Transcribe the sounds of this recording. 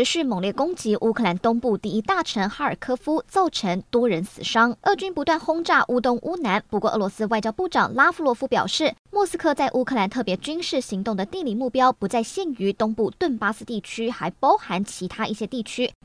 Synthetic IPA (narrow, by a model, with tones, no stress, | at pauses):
ɻ̩˧˥ɕy˥˩mɤ˨˩ŋljɛ˥˩kʊ˥ŋt͡ɕi˧˥ʔu˥kʰɤ˥˩la˧˥nt̪ʊ˥ŋpu˥˧t̪i˥˩i˥t̪a˥˩ʈ͡ʂʰə˧˥ŋxa˥ə˞˨˩kʰɤ˥fu˥t͡so˥˩ʊʈ͡ʂʰə˧˥ŋt̪wɔ˥ɻə˧˥nsɹ̩˨˩ʂɑ˥ŋʔə˥˩t͡ɕy˥npu˧˥t̪wa˥˩nxʊ˥ŋʈ͡ʂa˥˩ʔu˥t̪ʊ˥ŋʔu˥na˧˥npu˧kwɔ˥˧ʔɤ˥˩lwɔ˧˦s̩˥wa˥˩ɪt͡ɕjɑ˥ʊpu˥˩ʈ͡ʂɑ̰˨˩ŋla˥fu˥˧lwɔ˥˩fu˥pjɑ̰˨˩ʊʂɻ̩˥˩mwɔ˥˩sɹ̩˥kʰɤ˥˧t͡sa˥˩ɪʔu˥kʰɤ˥˩la˧˥nt̪ʰɤ˥˩pjɛ˧˥t͡ɕy˥nʂɻ̩˥˩ɕi˧˥ŋt̪ʊ˥˩ŋd̪ə˩t̪i˥˧ŋli˥˩mu˥˩pjɑ˥ʊpu˧˥t͡sa˥˧ɪɕjɛ˥˩ny˧˥t̪ʊ˥ŋpu˥˧t̪wə˥˩npa˥s̩˧˥t̪i˥˩t͡ɕʰy˥xa˧˥ɪpɑ˥ʊxa˧˥nt͡ɕʰi˧˥t̪ʰa˥ʔi˥˩ɕjɛ˥t̪i˥˩t͡ɕʰy˥